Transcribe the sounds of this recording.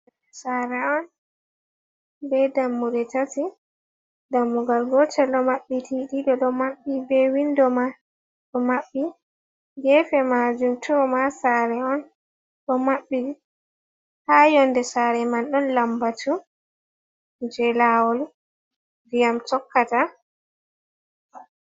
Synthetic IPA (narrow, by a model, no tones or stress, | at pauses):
saɾɛɔn | bɛdamːuɾɛtati | damːuɡalɡɔtɛlɗɔmaɓːitiɗiɗɔɗɔmaɓːibɛwindɔma | ɗɔmaɓːi | ɡɛfɛmad͡ʒumtʰɔmasaɾɛɔn | ɗɔmaɓːii | hajɔndɛsaɾɛmanɗɔnlambatu | d͡ʒɛlawɔl | dijamtɔkːata